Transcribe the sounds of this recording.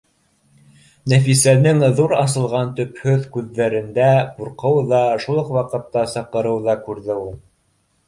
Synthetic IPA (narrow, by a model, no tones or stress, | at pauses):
næfisænɘŋðuɾɑs̬ɤ̆lˠʁɑnt̪ɵ̆phɵðkʉðːæɾɘ̆nd̪æquɾqɤwðɑʃulˠɤqwɑqɤ̆t̪ːɑsɑqɤ̆ɾɤwðɑkʉɾðɘulˠ